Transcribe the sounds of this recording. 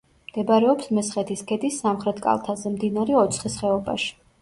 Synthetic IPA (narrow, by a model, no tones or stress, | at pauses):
md̪̥ɛbaɾɛɔpsmɛsχɛt̪ʰiskʰɛt̪ʼisːamχɾɛt̪ʰkʼa̰lˠt̪ʰazɛmd̪inaɾɛɔt̪sʰχisχɛɔba̰ʃi̥